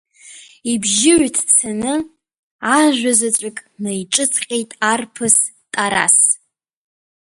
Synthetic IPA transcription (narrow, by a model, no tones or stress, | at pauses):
ibʒɪʕtʰsanɨ | aʒʷᶣazat͡ʃʷʼakʼnajʈ͡ʂʼɨt͡sʰqʲʼejtʼarpʰɨs | tʼaɾa̰s